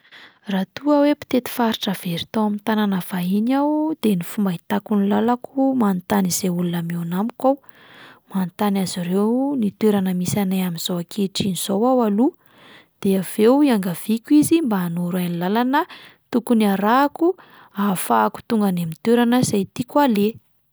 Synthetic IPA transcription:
rat̪uəwepi̥t̪et̪i̥faɾiʈ͡ʂəv̥eɾit̪owamint̪ananav̥aɦinawd̪̥enifumbait̪akunilalakumant̪aniz̥eulunamonamikaw | mant̪anaziɾewnit̪weɾanəmisanajamiz̥owakʰeʈ͡ʂiniz̥owawalu | d̪̥eavewiaŋɡav̥ikʲuizimbaːnuɾanilalanət̪ukuniaɾaku | afaku̥t̪uŋɡanamit̪eɾanəzajt̪ikwale

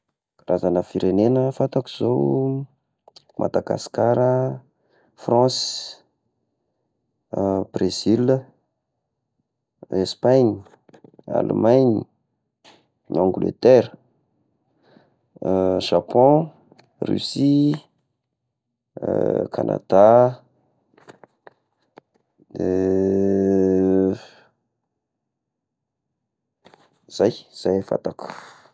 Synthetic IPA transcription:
razanəfiɾenenəfat̪aki̥z̥o | mʔa̰d̪aɡa̰skaɾə | frɑ̃s | b̥rez̥il | espaɲ | a̰lmajɲi | ãŋɡulḛt̪ɛɾ | ʒ̥apɔ̃ | ry̰si | kʰanʔa̰d̪̥a | z̥ajz̥ajfa̰t̪aku̥

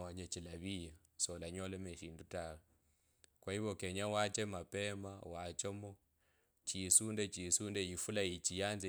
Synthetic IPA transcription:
aɲet͡ʃilaβija | sɔlaɲɔlɛmeʃiːndutala | kwaiβɔkeɲawat͡ʃɛmapɛmawat͡ʃomɔ | t͡ʃisundɛt͡ʃisundɛjifulait͡ʃijanze

